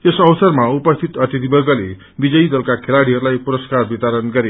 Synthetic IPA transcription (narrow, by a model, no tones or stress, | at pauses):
esʌwsʌrmaupʌst̪ʰit̪ʌt̪it̪ibʌɡʌle | bid͡zʌjd̪ʌlkakʰelaɽiɦʌɾulajpuɾʌskarbit̪aɾʌnɡʌɾe